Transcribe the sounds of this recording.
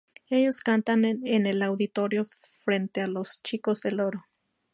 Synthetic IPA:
e̞ʝo̞skant̪anenelawðit̪oɾjofɾe̞nt̪ealost͡ʃikozðe̞loɾo

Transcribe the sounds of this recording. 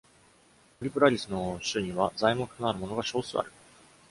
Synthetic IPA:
oɾʲipɯ̟ɾaɾʲisɨno̞ɕɨɲ̟iβazaimokɯ̟̥noaɾɯ̟mo̞no̞ɡaɕo̞ːsɨa̰ɾɯ̟

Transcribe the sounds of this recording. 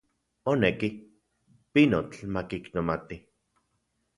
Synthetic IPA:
oneki | pinot͡ɬmakiknomat̪i

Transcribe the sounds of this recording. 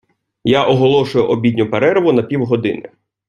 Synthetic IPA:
jaʔɔɦɔlˠɔʃʊjʊʔɔbʲidʲnʲʊpeɾɛɾɪʋʊnɐpʲiwɦɔd̪ɪ̰nɪ

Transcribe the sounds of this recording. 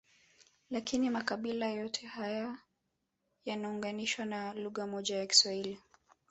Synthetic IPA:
lakinimakaɓilajɔtʰɛhaja | janauŋɡaniʃwanaluɣamɔʄajaki̥swahili

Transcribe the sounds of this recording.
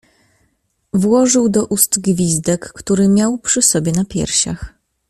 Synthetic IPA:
vwɔʐɘwd̪ɔʔust̪ɡvʲizd̪ɛkːt̪uɾɘmʲjawpʂɘsɔbʲjɛnapʲjɛ̰ɾɕa̰x

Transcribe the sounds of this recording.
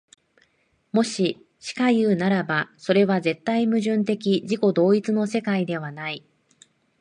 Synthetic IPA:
mo̞ɕi | ɕi̥kajɯ̟ːnaɾabaso̞ɾe̞βaze̞t̪ːaimɯ̟ʑɨ̃nt̪e̞kʲiʑiko̞d̪o̞ːit͡sɨno̞se̞kaid̪e̞βanai

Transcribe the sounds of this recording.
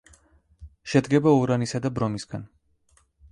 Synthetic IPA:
ʃɛd̪ɡɛbauɾanisad̪abɾɔmisɡan

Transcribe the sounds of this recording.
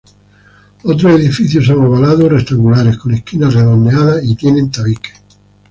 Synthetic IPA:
at̪̬ɾoed̪ifit̪θjos̬anovalaːðorest̪aŋɡulaːɾekonekːinareðonːealait̪jenent̪avike̥

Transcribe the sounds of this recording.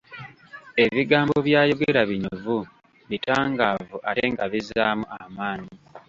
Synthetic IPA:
e̞βiɡaːmbo̞βjaːjo̞ɡeɾaβiɲovu | βitaːŋɡaːvuʔaɾeŋɡaβizaːmuʔamaːɲi

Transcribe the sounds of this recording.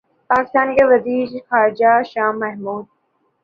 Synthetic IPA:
paːkɪst̪aːnkeʋɐziːɾxaːɾɪd͡ʒaʃaːmːɐɦmuːd̪̚

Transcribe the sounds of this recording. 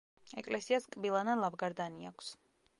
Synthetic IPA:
ɛkʼlɛsiaskʼbilˠanalˠavɡaɾd̪aniakʷʰs

